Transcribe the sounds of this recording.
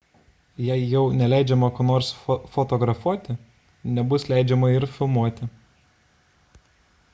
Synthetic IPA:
jæɪjɛʊnʲɛlʲæˑɪd͡ʒʲɛmɐkoːnoːɾsfɔt̪ɔɡɾɐfuɔt̪ʲɪ | nʲɛbʊslʲæˑɪd͡ʒʲɛmɐɪɾfʲɪlˠmuɔt̪ʲɪ

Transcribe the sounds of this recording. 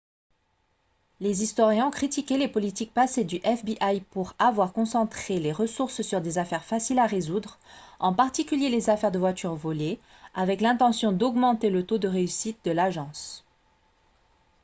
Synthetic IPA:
lezist̪wɔʁjɛ̃ɔ̃kχit̪ikʲɛlepɔlit̪ik̚pased̪yʔɛfbiʔajpuʁavwaʁkɔ̃sɑ̃t̪χeleʁəsuʁssyʁd̪ezafɛʁfasilaʁezud̪ʁɑ̃paʁt̪ikʲyljelezafɛʁd̪əvwat̪yʁvɔle | avɛklɛ̃t̪ɑ̃sjɔ̃d̪ɔɡmɑ̃t̪elət̪od̪əʁeysit̪̚d̪əlaʒɑ̃s

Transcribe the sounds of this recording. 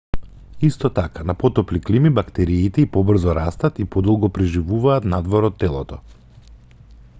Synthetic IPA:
ist̪ɔt̪akanapɔt̪ɔpliklimibakt̪ɛɾiːt̪ɛipɔbr̩zɔɾast̪at̪ipɔd̪ɔlˠɡɔpɾɛʒivuvaːt̪nad̪vɔɾɔt̪ːɛlˠɔt̪ɔ̰

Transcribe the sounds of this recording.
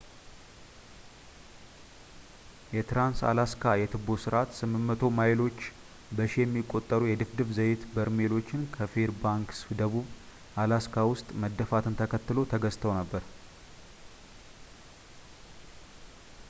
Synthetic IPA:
jɛt̪ʰɾansa̰laskʰajɛt̪ʰɨbosɨɾʔat̪sɨmːɨmːət̪ʰo̞majlo̞t͡ʃː | bəʃijɛmːikʼːo̞t̪ʼːəɾujɛd̪ɨfd̪ɨβzəjɪt̪bəɾme̞lo̞t͡ʃːɪnkʰəfeɾbaŋksd̪əβuβ | ʔalaskʰawʊst̪ʼməd̪ːəfat̪ʰɨnt̪ʰəkʰət̪ːɨlo̞t̪ʰəɡəst̪ʰəwnəbːəɾ

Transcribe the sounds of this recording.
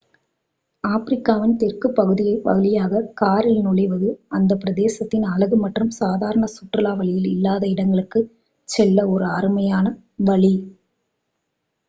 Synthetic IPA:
aːfɪɾɪkːaːʋɪnt̪ɛrkɯpːɐɣɯðɪjɐɪpɐ̰ɣɯðɪjaːɣɐkaːɾɪlnʊɭɐɪʋɐðɯɐnd̪ɐpːɪɾɐðeːsɐt̪ːɪnɐlɐɣɯmɐʈrɯmsaːðaːɾɐɳɐsʊʈrɯlaːʋɐɭɪjɪlɪlːaːðɐɪɽɐŋɡɐɭɯkːɯ | t͡ʃːɛlːɐɔɾɯaːɾɯmɐjaːnɐ | ʋɐɭi

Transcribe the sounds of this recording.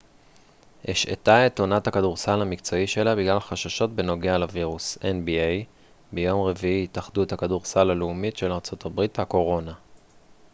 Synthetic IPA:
ʔeʃḛtaetonathakaduʁsalamikt͡so̞iʃe̞labiɡlalχaʃaʃo̞t̚be̞no̞ɡealaviʁusenbiej | be̞jo̞mʁe̞viitaχduethakaduʁsalaleumitʃe̞laʁt͡so̞tʰabʁithako̞ʁo̞na

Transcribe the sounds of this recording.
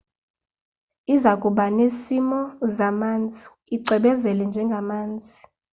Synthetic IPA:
izakʼuɓanesimɔzamaːnd͡zʱi | iǀʱɛɓɛzɛlɛnd͡ʒʱɛŋɡʱamaːnd͡zʱi

